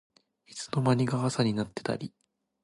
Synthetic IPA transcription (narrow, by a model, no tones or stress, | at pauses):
it͡sɨ̥no̞maɲ̟iɡaasaɲ̟inat̪ːe̞̥t̪a̰ɾʲi